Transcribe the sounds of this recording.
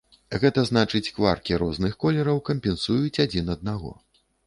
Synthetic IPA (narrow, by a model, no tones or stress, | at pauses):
ɣɛt̪ɐznat͡ʂɨt͡sʲkvarkʲiɾɔznɨxkɔlʲɛɾɐwkɐmpʲɛnsujut͡sʲad͡zʲinɐd̪̚naɣɔ̰